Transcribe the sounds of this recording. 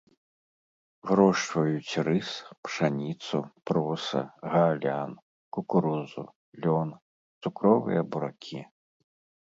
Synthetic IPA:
ɣɾɔʂt͡ʃvɐjut͡sʲrɨspʂanʲit̪supɾɔsɐ̰ɣalʲan | kukuɾuzṵ | lʲɔn | t̪sukɾɔvɨ̰jɐbuɾakʲʰi

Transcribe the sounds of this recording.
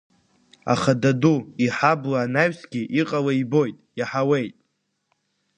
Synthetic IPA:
a̰χadaduiħablaːnaɥsɡʲiʔiqʼalaibo̞jtʼjaħawe̞jtʼ

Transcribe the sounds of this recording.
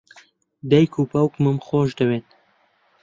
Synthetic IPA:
d̪ɐjkʰuːpɐwkmɨmχoːʒd̪ɐweːn

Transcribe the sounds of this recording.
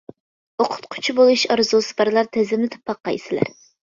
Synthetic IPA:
oqʰʊ̥t̪̚qʰʊ̥t͡ʃʰibolˠuʃɑɾzusɨ̥pɑɾlˠɑɾt̪ʰɛzɪmlɪt̪ʰɨ̥pːɑqːɑisɪlæ̰ɾ

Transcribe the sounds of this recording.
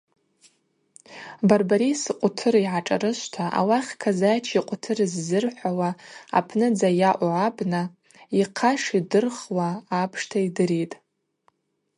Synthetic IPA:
barbaɾisɨqʷʼʊtʰɨɾiʕaʈ͡ʂʼa̰ɾɨʃʷtʰaʔa̰waχʲkʰazajt͡ʃʰiqʷʼʊtʰɨrzːɨrħʷawaa̰pʰnɨd͡zajaʔʷʼʕabna | iqʰaʂidɨrχwaːpʰʂtʰaidɨɾitʼ

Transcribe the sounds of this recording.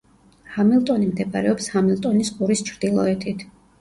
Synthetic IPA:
hamilˠt̪ʼɔnimd̪ɛpʼa̰ɾɛɔpshamilˠt̪ʼɔnisɡuɾist͡ʃʰɾd̪̥ilˠɔ̰ɛt̪ʰit̪ʰ

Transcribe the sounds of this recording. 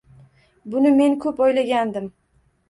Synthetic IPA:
bʊnɪme̞nkʰɵpojlaɡʲand̪ɪm

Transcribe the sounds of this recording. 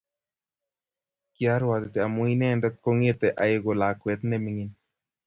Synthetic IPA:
kjaɾwat̪ɪt̪ɛamoinɛnd̪ɛt̪̚koŋet̪ɛʔajeɡolakwɛt̪nɛmiŋin

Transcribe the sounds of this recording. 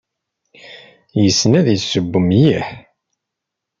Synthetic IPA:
jəsːənæðjəsəbːəmjiħ

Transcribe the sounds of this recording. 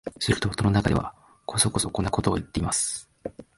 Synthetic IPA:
soɾʲi̥t̪oːt̪ːononakad̪e̞βa̰ | kʰo̞so̞ko̞so̞ko̞nːako̞t̪o̞o̰jit̪ːe̞imasɨ̥

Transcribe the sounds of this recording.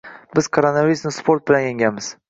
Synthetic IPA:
bɪz̥kʰoɾonaviɾusnɪspʰo̞ɾt̪̚bɪlanjeŋɡʲanmɪz̥

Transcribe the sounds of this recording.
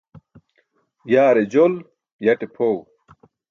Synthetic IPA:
jaːɾed͡ʑol | jɐʈepʰoːw

